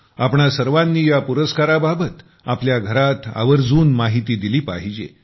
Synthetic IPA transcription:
apɳasəɾʋanːiːjapuɾəskaɾababət̪ | apljaɡʱəɾat̪a̰ʋəɾd͡zuːnmaɦit̪iːd̪iliːpa̰ɦid͡ʑḛ

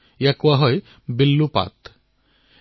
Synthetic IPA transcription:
jakuaɦɔj | bilːupa̰t̪

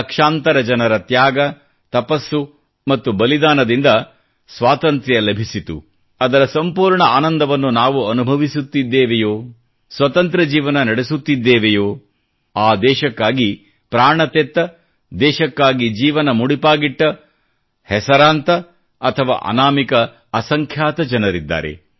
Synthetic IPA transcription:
ɐkʂaːnt̪ɐɾɐd͡ʒɐnɐɾɐt̪jaːɡɐ | t̪ɐpɐsːu | mɐt̪ːubɐlid̪aːnɐd̪ind̪ɐ | sʋaːt̪ɐnt̪ɾɛjɐlɐbʱisit̪ṵ | ɐd̪ɐɾɐsɐmpuːɾɳɐaːnɐnd̪ʱɐʋɐnːunaːʋuɐnubʱɐʋisut̪ːid̪ːeːʋejoː | sʋɐt̪ɐnt̪ɾɐd͡ʒiːʋɐnɐnɐɽesut̪ːid̪ːɛːʋɛjoː | aːd̪ɛːʃɐkːaːɡi | pɾaːɳɐt̪et̪ːɐ | d̪ɛːʃɐkːaːɡid͡ʒiːʋɐnɐmuɽipaːɡiʈːɐ | hɛsɐɾaːnt̪ɐ | ɐt̪ʰɐʋa̰ːʔɐ̰naːmikɐ | ɐsɐŋkʰjaːt̪ɐd͡ʒɐnɐɾid̪ːa̰ːɾe̞̰

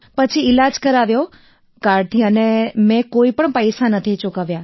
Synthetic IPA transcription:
pət͡ʃʰiɪlad͡ʒkəɾaʋjo | kaɾt̪ʰiənemẽkoipəɳpəjsanət̪ʰit͡ʃʊkaʋja

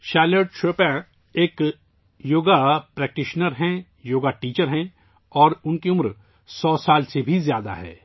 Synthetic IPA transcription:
ʃɛːləːɖʃoːpɛ̃ | eːk | joːɡapɾɛːk̚ʈɪʃnəɾɦɛ̃ | joːɡaʈiːt͡ʃəɾɦɛ̃ | ɔːɾʊnkiʊmɾ | sɔːsaːlsebʱizjaːd̪a̰ɦɛ̰ː

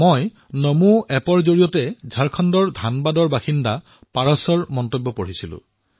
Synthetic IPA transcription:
moj | nomuɛpɔɹzoɹijɔtɛzʱaɹkʰɔndɔɹdʱanbadɔɹbaxinda | paɹɔsɔɹmɔntobːɔpoɹ̤isilʊ̰̃

